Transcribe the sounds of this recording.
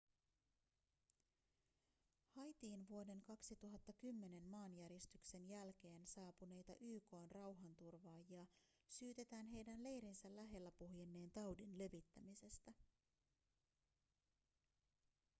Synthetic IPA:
hɑjt̪iːnʋuo̞de̞ŋkɑksit̪uɦɑt̪ːɑkymːe̞ne̞nːɑːnjæɾist̪ykse̞njælk̟e̞ːnsɑːpune̞jt̪ɑʔyːko̞ːnrɑwɦɑnt̪urʋɑːjiɑ | syːt̪e̞t̪æːnɦe̞jdænle̞jɾinsælæɦe̞lːæpuɦjenːe̞ːnt̪ɑwdinle̞ʋit̪ːæmise̞st̪æ

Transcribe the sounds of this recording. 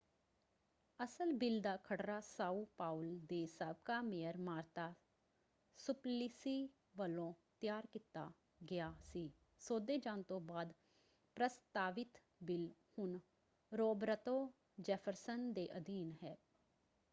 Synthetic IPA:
əsəlbɪld̪aːkʰəɽɾaːsaːuːpaːʊld̪eːsəb̚kaːmeːəɾmaːɾt̪aː | sʊplɪsiː | ʋəlõːt̪jaːɾkɪt̪ːaː | ɡɪjaːsiː | soːd̪eːd͡ʒãːnt̪õːbaːd̪ | pɾəst̪aːʋɪt̪ | bɪlhʊn | ɾoːbɾət̪oː | d͡ʒɛːpʰəɾsənd̪eːʔəd̪iːnɦɛː

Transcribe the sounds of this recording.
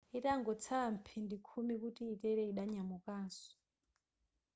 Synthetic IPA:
itaŋɡɔt͡sʰaam̩pʰindikʰumikutiːtɛɾɛiɗaɲamukaːsɔ̥

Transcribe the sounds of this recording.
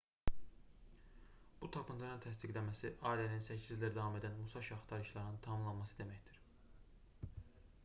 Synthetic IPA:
b̥ut̪ʰɑpʰɯnt̪ʰɯɾɯnt̪ʰæsd̪iɡlæmæsiʔɑːilæninsæcʰizliɾd̪ɑvɑme̞d̪ænmusɑʃɑχt̪ʰɑɾɯʃlˠɑɾnɯnt̪ʰɑmɯmlˠɑnmɑsɯd̪e̞mæçd̪iɾ̥

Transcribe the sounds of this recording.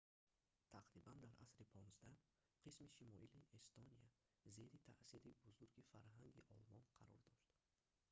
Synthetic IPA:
t̪ʰaqɾiband̪aɾʔa̰sɾipʰɔnzd̪a | qʰismiʃimɔʔiliʔest̪onija | ze̞ɾit̪ʰaʔsiɾibuzuɾɡifaɾɦaŋɡḭʔɔlmɔnqʰaɾɔɾd̪ɔʃt̪

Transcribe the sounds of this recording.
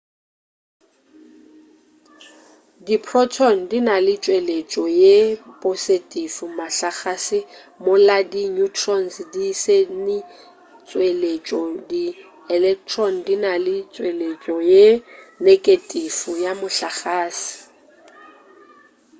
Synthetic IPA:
dipʰrɔtʰɔn̩dinalɪt͡ʃʼwelet͡ʃʼɔjepʼositʼifumaɬaχasɪ | mʊladinutʰrɔnsdisenɪ | t͡sʼwelet͡ʃʼɔdi | ɛlɛk̚tʰrɔn̩dinalɪt͡sʼwelet͡ʃʼɔjenekʼetʼifujamʊɬaχaːsɪ̥

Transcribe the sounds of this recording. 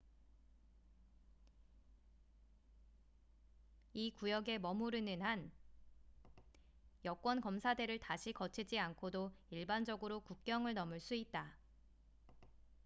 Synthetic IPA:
ikujʌɡe̞mʌmuɾɯnɯnɦan | jʌk͈wʌnkʌmsʰade̞ɾɯɭtaɕʰikʌt͡ɕʰid͡ʑiankʰodoiɭband͡ʑʌɡɯɾokuk̚k͈jʌŋɯɭnʌmɯɭs͈uit̚t͈a

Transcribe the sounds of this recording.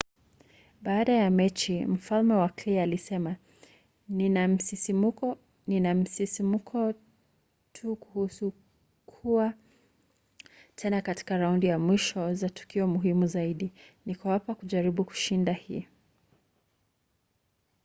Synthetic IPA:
ɓaːɗajamɛt͡ʃim̩falmɛwaklialisɛma | nnam̩siɔ | ninam̩sisimukʰɔ | tʰukuhusu | kʰua | tʰɛnakati̥kaɾaundijamwiʃɔzatu̥kiɔmuɦimuzaiɗinikawapakuʄaɾiɓuku̥ʃindahḭː

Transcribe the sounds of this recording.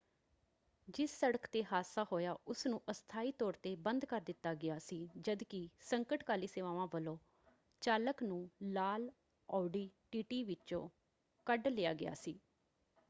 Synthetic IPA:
d͡ʒɪsːəɽəkt̪eːɦaːsaːɦoːjaːʔʊsnũːʔəst̪ʰaːiːt̪ɔːɾt̪eːbənd̪kəɾd̪ɪt̪ːaːɡɪaːsiːd͡ʒəd̪kɪsəŋkəʈkaːliːseːʋaːʋãːʋəlõː | t͡ʃaːləknũːlaːl | ɔːɖiːʈiːʈiːʋɪt͡ʃõ̰ː | kəɖleːjaːɡɪja̰ːsiː

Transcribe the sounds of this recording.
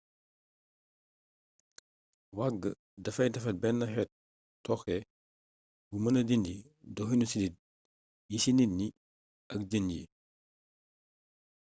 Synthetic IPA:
waɡːə̰ | dɐfɐjdɐfɐt̚bɛnːɐxɛt̚ | tːɔxɛ | bumɐnɐdindi | dɔxinusidit̚ | jisinitni | ʔɐk̚ɟənḭ

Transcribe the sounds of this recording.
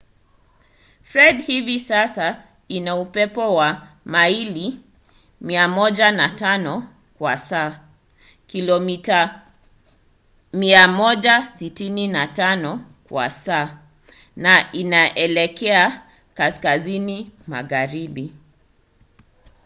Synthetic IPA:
fɾɛdhivisasa | inaupɛpɔwa | maili | miamɔʄanatanɔ | kwa̰saː | kilɔmita | miamɔʄasitininatanɔ | kwa̰saː | naʔinaʔɛlɛkɛa | kaskazinima̰ɣaɾiɓi

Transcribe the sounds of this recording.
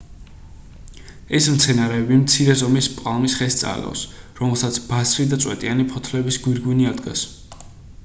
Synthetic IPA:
ɛsmt̪sʰɛnaɾɛːbimt̪sʰiɾɛzɔmispʼqʼalˠmisχɛst̪sʼa̰lɔ̰sɾɔmɛlˠsat̪sʰb̥asɾid̪at̪sʼwɛ̰t̪ʼianipʰɔt̪ʰlɛbisɡwiɾɡwiniad̪ɡa̰s

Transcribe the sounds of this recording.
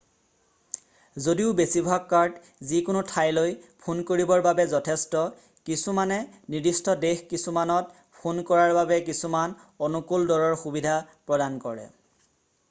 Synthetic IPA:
zodiʊbesibʱakːaɹd | zikʊnotʰajlojpʰonkoɹibɔɹbabɛzɔtʰɛstɔ | kisumanɛ | nidistɔdexkisumanɔt̚ | pʰonkɔɹaɹbabɛkisuman | ɔnukuldɔɹɔɹxubidʱapɹɔdankɔɹɛ̰

